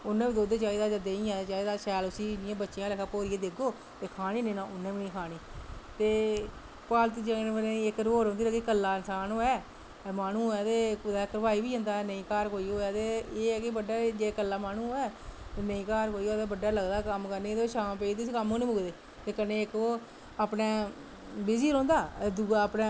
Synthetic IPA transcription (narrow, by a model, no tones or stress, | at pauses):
ʊnːẽːbiːd̪oːd̪eːt͡ʃaːiːd̪aːd͡ʒəd̪eːnĩːãːet͡ʃaːiːd̪aːʃɛːlʊsiːɪnɪjãːbətːʃɪjãːləkʰaːpoːɾiːeːd̪eːɡoː | t̪eːkʰaːñiːnẽːnãːʔʊnːẽːbiːnĩːkʰaːniːt̪eː | paːlt̪̬id͡ʒeʋnẽɪkɾoːɾõnd̪iːkikəlːaːɪnsaːnɦoːɛː | maːnũːɦoːjaːt̪eːkd̪aːkɾəʋaːiːbiːɦõːnd̪aːnəĩːkaːɾkoːiːɦoːjaːt̪eːeːɛːkɪbəɖaːd͡ʒeːkəlːaːmaːnũːɦoːɛːnəĩːkaːɾkoːiːoːt̪eːbəɖːaːləɡd̪aːkəmkəɾneːd̪eoːʃaːmpeːid̪isiːkəmoːnẽːbʊɡd̪eː | t̪eːkənːeːɪkoː | aːpneː | bɪd͡ʒiːɾõːnd̪aːd̪uɡaəpnẽː